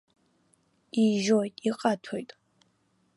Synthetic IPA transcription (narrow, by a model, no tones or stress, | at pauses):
iʒojtʼiqʼatʰojtʼ